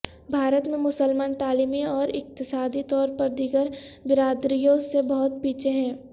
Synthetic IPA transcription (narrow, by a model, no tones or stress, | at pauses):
bʱaːɾət̪mẽmʊsəlmaːnt̪aːliːmiɔːɾɪk̚t̪ɪsaːd̪it̪ɔːɾpɐɾd̪ɪɡəɾbɪɾaːd̪ɾijõsebɐɦʊt̪̚piːt͡ʃʰeɦɛ̃ː